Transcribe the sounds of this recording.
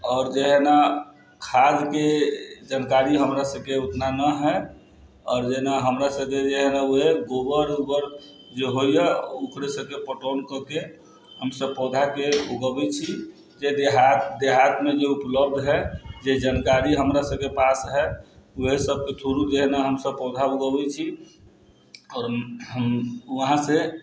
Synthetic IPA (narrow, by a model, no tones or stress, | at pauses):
ɔːɾd͡ʒeɦna | kʰad͡ʒked͡ʒankaɾiɦəmɾasəbkeut̪nanəɦɛ | ɔːɾd͡ʒeɦnaɦəmɾasəb̚ked͡ʒeɦnauɦeɡobəɾubəɾ | d͡ʒeɦojaukɾesəb̚kepəʈonkəke | ɦəmsəb̚pɔd̪ʱakeuɡəbɛt͡ʃʰi | d͡ʒed̪eɦat̪d̪eɦat̪med͡ʒeupləb̚d̪ʱɦɛd͡ʒed͡ʒankaɾiɦəmɾasəb̚kepasɦɛuɦesəb̚ket̪ʰuɾud͡ʒeɦnaɦəmsəbpɔd̪ʱauɡəbɛt͡ʃʰi | ɔːɾ | uɦãse